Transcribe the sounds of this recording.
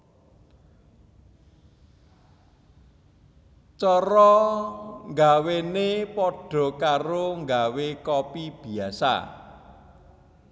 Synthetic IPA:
t͡ʃɔɾɔ | ŋɡawenepɔɖ̥ɔ̤kaɾoŋɡawekɔpib̥i̤asa̰

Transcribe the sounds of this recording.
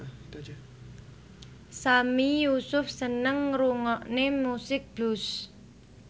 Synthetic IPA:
samijusʊfsənəŋɾuŋɔʔnemusɪk̚b̥lus

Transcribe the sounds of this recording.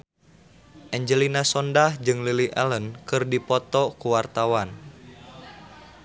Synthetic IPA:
ʔɛɲd͡ʒəlinasɔndahd͡ʒɨŋliliʔɛ̰lənkɨrdipɔt̪ɔkuwart̪awan

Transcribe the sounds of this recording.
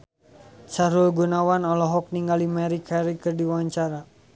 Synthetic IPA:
t͡ʃaɾulɡunawanɔlɔɦɔk̚niŋɡalimɛɾikʰaɾikɨrdiwaɲt͡ʃaɾa

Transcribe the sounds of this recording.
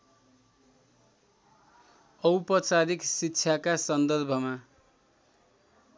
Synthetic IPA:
ʌwpʌt͡saɾiksitːt͡sʰakasʌnd̪ʌrbʱʌma

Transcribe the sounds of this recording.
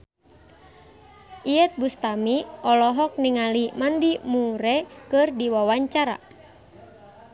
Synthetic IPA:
ʔiɛt̪̚bust̪amiʔɔlɔɦɔk̚niŋalimandimuɾɛkɨrdiwawaɲt͡ʃaɾa̰

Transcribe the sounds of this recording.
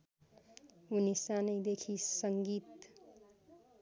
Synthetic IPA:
unisanəjd̪ekʰisʌŋɡiːt̪

